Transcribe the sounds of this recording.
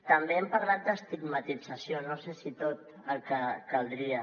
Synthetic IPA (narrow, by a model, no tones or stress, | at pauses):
t̪əmbeɛmpəɾlat̪̚d̪əst̪iɡmət̪id͡zəsionosesit̪ot̪ | əlˠkəkəlˠd̪ɾiə